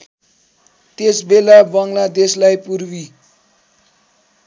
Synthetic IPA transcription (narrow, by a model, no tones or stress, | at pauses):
t̪esbelabʌŋlad̪eslajpurwi